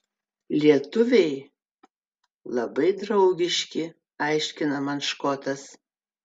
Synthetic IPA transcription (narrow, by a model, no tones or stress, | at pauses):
lʲiɛt̪ʊʋʲɛɪ | lˠɐbɐɪd̪ɾɐʊɡʲɪʃʲkʲɪ | ɑɪʃʲkʲɪnɐmɐnʃkoːt̪ɐs